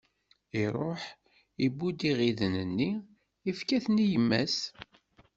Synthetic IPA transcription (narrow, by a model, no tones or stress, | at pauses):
iɾˤoħ | ibːud̪iʁiðnənːi | ifkæθnijəmːæs